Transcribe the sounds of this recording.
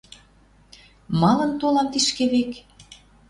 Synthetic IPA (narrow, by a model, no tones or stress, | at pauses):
mɑlɤ̆nt̪olɑmt̪iʃkeβek